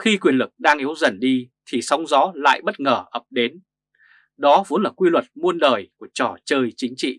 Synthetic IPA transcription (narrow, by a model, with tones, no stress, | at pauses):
xi˧kwi˨˩ənlɨ˨˩k̚ɗaː˧ŋʔi˨˦əwzə˨˩nɗi˧t̪ʰi˨˩sa˨˦wŋ͡mzɔ˨˦la̰ː˧˨jɓə˦˥t̚ŋəː˧˩ʔə˨˩p̚ɗe˨˦n | ɗɔ˨˦vo˨˦nlaː˨˩kwi˧lwə˨˩t̚mu˧ənɗəː˨˩jku˧˩ət͡ɕɔ˧˩t͡ɕəː˧jt͡ɕï˨˦ŋ̟t͡ɕḭ˧˨